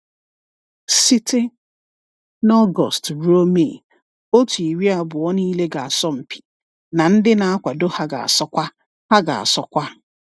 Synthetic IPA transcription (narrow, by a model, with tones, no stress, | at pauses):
si˦te˦ | nɔ˦ɡɔ̰˨stɾo˦me˨ | o˦tu˨i˨ɾi˦a˨bʊ˨ɔ˦niː˦le˦ɡa˨a˨sɔ˦m̩˨pi̥˨ | na˨n̩˦dɪ˦na˨a˦kʷa˨do˦ha˦ɡa̰˨a̰˨sɔ˦kʷa˦ | ha˦ɡa̰˨a̰˨sɔ˦kʷa˦